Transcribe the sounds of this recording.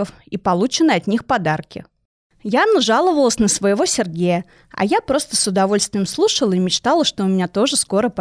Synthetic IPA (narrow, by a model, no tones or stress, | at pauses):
əf | ipɐlˠut͡ɕɪnɨɐt̪ʲnʲixpɐd̪arkʲɪ̰ | janːəʐalˠəvəlˠəsʲnəsvəjɪvo̞sʲɪrɡʲejə | ɐ̰japɾo̞st̪əsʊd̪ɐvo̞lʲst̪vʲɪjɪmslˠuʂəlˠəimʲɪt͡ɕt̪alˠəʂt̪o̞ʊmʲɪnʲat̪o̞ʐɨsko̞ɾəp